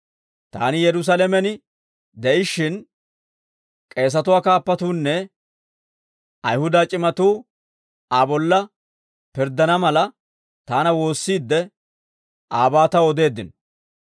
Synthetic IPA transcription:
t̪a̰ːnɪjɛɾʊs̬alɛmɛnɪ | d̪ɛʔɪʃːɪn | kʼe̞ːs̬ɐt̪ʊwaːkaːpːɐt̪uːnːɛ | ʔɐjhʊd̪aːt͡ʃʼɪmɐt̪uː | abɔlːɐ | pɪɾd̪ɐnɐmɐlɐ | t̪aːnɐwo̞ːsːiːd̪ːɛ | ʔaːbaːt̪ɐwɔd̪e̞ːd̪ɪn

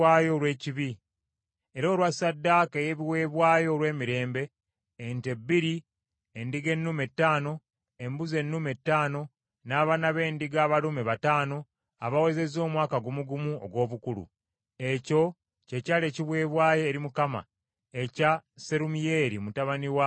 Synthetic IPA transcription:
aːjo̞ːɾwe̞ːciβi | eɾoːlwasadːakeje̞βiwe̞ːβwaːjo̞ːlwe̞ːmiɾe̞ːmbe̞ː | nte̞bːiɾi | endiɡe̞nːume̞tːaːno̞ | embuze̞nːume̞tːaːno̞ | naːβanaβe̞ːndiɡaːβalumeβataːno̞ | aβawe̞ze̞zo̞ːmwaːkaɡumuɡumuo̰ɡwo̞ːβukulṵ | e̞co̞ | cecaːle̞ːciβwe̞ːβwaːje̞ːɾimukama̰ | ecase̞ɾumije̞ɾimutaβaniwa

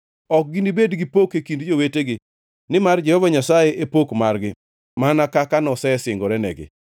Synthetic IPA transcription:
ɔk̚ɡɪnibedɡɪpokekindd͡ʒoweteɡɪ | nɪmard͡ʒɛhɔvaɲasajeʔepokmarɡɪ | manakakanɔsɛsɪŋɡɔɾɛnɛ̰ɡɪ̰

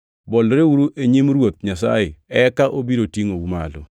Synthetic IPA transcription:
bɔlɾeuɾuʔeɲimɾwot̪̚ɲasa̰jɪɛkaʔobiɾotiŋouma̰lɔ̰

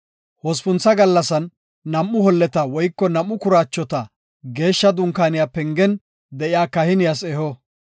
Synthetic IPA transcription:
hɔspʊnt͡sːɐɡɐlːɐsɐnː | ɐmːʊhɔlːɛt̪ɐwɔjkːɔnɐmːʊkʊɾaːt͡ʃːɔt̪ɐ | ɡe̞ːʃːɐd̪ʊŋkaːnɪjaːpɛŋɡɛn | d̪ɛʔɪjaːkɐhɪnɪjasɛhɔ

